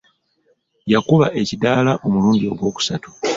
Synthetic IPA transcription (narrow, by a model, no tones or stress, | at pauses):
jakuβaʔe̞cidaːlaʔo̞muluːɲɟio̞ɡwo̞ːku̥satu̥